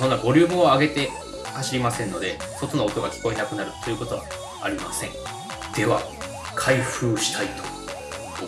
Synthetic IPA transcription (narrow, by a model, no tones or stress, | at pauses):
so̞nːabo̞ɾʲɨ̟ːmɯ̟oaɡe̞t̪e̞ | haɕiɾʲimasẽ̞nːo̞d̪e̞so̞t̪onoːt̪o̞ɡakʲi̥ko̞enakɯ̟naɾɯ̟t̪ʰːojɯ̟ko̞t̪o̞βa̰ː | ɾʲimasẽ̞̰ŋ | d̪̥e̞βa | kʰaiɸɯːɕi̥t̪ʰait̪ʰo̥